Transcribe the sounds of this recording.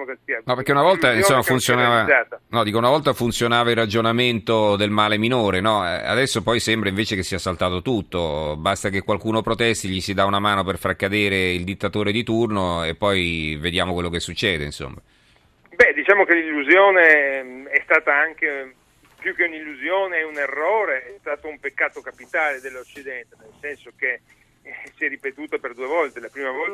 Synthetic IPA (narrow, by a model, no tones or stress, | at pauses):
aokesianɔpeɾkeunavɔlainsomːafunsjonaːvaaːt̪anɔd̪iːkounavɔlt̪afunt̪sjonaːvailrːad͡ʒonament̪od̪elmaːleminoːɾenɔɛ̰a̰d̪ɛsːopɔjsɛmbɾaiɱveːt͡ʃekesːiːasalt̪aːt̪ot̪ut̪ːobast̪akekwalkuːnopɾot̪ɛst̪iʎisid̪aunamaːnoperfarkːad̪eːɾeild̪it̪ːat̪oːɾed̪it̪urnoepːɔjved̪jaːmokwelːokesːut͡ʃːɛːd̪einso̰mːa | bɛd̪it͡ʃaːmokelilːuzjoːneɛst̪aːt̪aaŋke | pjukːeunilːuzjoːneɛunerːɔːɾeɛst̪aːt̪oumpekːaːt̪okapit̪aːled̪elːot͡ʃːid̪ɛnt̪enelsɛnsoke | sjɛrːipet̪uːt̪aperd̪uevɔlt̪elapɾiːmavɔl